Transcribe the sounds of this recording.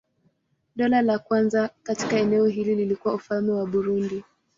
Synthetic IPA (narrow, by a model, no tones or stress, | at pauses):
ɗɔlalakwanzakati̥kaɛnɛɔɦilililikuwaufalmɛwaɓuɾundi